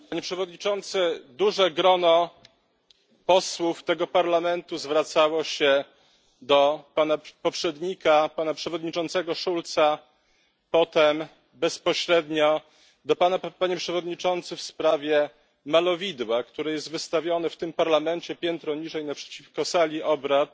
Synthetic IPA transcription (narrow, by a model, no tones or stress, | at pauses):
paɲɛpʂɛvɔd̪ɲit͡ʂɔnt̪sɘd̪uʐɛɡɾɔnɔ | pɔswuft̪ɛɡɔpaɾlamɛnt̪uzvɾat̪sawɔɕɛ | d̪ɔpanapɔpʂɛd̪ɲikapanapʂɛvɔd̪ɲit͡ʂɔnt̪sɛɡɔʂult̪sa | pɔt̪ɛm | bɛspɔɕɾɛd̪ɲɔ | d̪ɔpanapaɲɛpʂɛvɔd̪ɲit͡ʂɔnt̪sɘfspɾavʲjɛ | malɔvʲid̪wakt̪uɾɛjɛst̪vɘst̪avʲjɔnɛft̪ɘmpaɾlamɛnt͡ɕɛpʲjɛnt̪ɾɔɲiʐɛjnapʂɛ̥t͡ɕifkɔsalʲiʔɔbɾat̪